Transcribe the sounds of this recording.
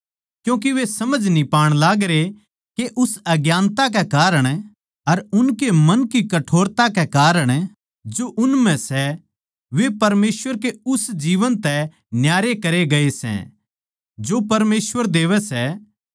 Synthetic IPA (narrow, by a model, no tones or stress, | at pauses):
kjũːk̬iʋesɐməd͡ʒʱnipaːɽ̃laːɡɾe | keʔʊsɐɡjaːnt̪ak̬ɛkaːɾəɽ̃ | ɐɾʊnkemɐnkikɐʈʰoːɾt̪akekaːɾəɽ̃ | d͡ʒoʔʊnmɛ̃sɛ | ʋepɐɾmeːsʋəɾk̬eʊsd͡ʒiːʋənt̪ɛ | njaːɾekɐɾeɡɐesɛ̰̃ | d͡ʒopɐɾmeːsʋəɾd̪eːʋɛsɛ